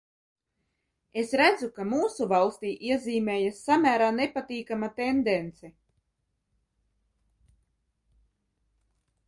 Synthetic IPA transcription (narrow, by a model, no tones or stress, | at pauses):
esɾæd̪zukamuːsuvalˠst̪iːʔiɛziːmeːjasːamʲæːɾaːnepat̪iːkamat̪end̪ɛnt̪sɛ